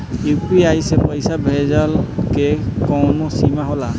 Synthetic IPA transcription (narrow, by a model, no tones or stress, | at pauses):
jupiajsɛpɔjsabʱɛzalkɛkɔnɔsimaɦɔla